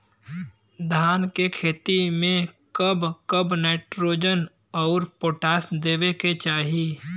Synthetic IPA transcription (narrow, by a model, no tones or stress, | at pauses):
d̪ʱaːnkekʰeːt̪imẽ | kəbkəbneːʈɾoːd͡ʒən | ɔːɾpoːʈaːsd̪eːweket͡ʃaːɦi